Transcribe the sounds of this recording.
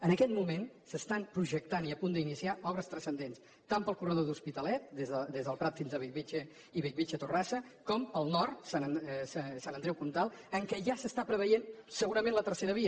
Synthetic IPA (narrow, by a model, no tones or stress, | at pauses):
ənəkɛt̪mumensəst̪ampɾuʒək̚t̪aniəpund̪əinisiaʔɔβɾəst̪ɾəsənd̪ens | t̪ampəlˠkurəðoðuspit̪əlɛt̪̚d̪ezðəd̪ezðəlˠpɾat̪finzðəβiʎβit͡ʃə | iβiʎβit͡ʃət̪urasəkɔmpəlˠnɔrt̪sanssanənd̪ɾɛwkunt̪alˠəŋkɛʒasəst̪apɾəβəjensəɣuɾəmẽnlət̪əɾrseɾəβiə